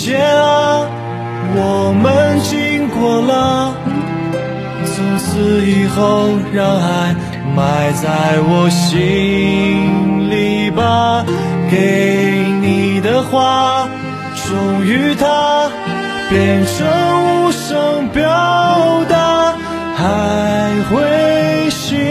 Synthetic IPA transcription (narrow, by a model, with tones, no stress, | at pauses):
t͡ɕjɛ˥ | wɔ˨˩mə˦nt͡ɕi˥ŋkwɔ˨˩lə˦ | si˧˥nsʰɹ̩˧i˨˩xo˥˧ʊɻa˧ŋla˧˥ɪ | ma˨˩ɪt͡sa˥ɪwɔ˨˩ɕi˥ | ŋŋli˨˩ba˧˩ke˨˧˩ni˨˩d̪ə˧xwa˥˧ | ʈ͡ʂʊ˨˩ŋy˧˥t̪ʰa˥ | pjɛ˨˩nʂʰə˧˥nu˥ʂə˧˥ŋpjɑ˦˥ʊd̪a˧ | xa˧˦ɪxwe˥ɪɕi˧˥